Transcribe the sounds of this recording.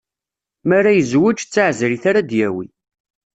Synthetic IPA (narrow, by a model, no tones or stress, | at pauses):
mæɾajəzwʊt͡ʃt͡sːaʕzɾiθaɾad̪jæwḭ